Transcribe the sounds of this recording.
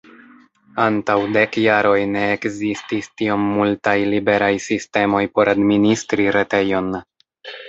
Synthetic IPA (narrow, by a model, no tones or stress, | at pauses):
antawde̞kjaɾo̞jne̞ːkzististio̞mːultajlibe̞ɾajsiste̞mo̞jpo̞ɾadministɾiɾe̞te̞jo̞n